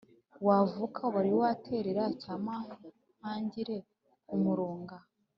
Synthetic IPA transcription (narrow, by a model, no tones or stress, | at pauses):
wavukʰaβaɾiwatʰe̞ɾeɾacaːma | maːɲɟiɾe̞ | umuɾoːŋɡa